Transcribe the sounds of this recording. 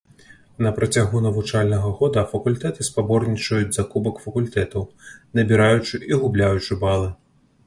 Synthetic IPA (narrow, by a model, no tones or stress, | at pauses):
nɐpɾɐt͡sʲaɣunɐvut͡ʂalʲnɐɣɐɣɔd̪ɐfɐkulʲt̪ɛt̪ɨspabɔrnʲit͡ʂɐjud͡zʲzakubɐkfɐkulʲt̪ɛt̪ɐwnɐbʲiɾajut͡ʂɨʔiɣublʲajut͡ʂɨbalˠɨ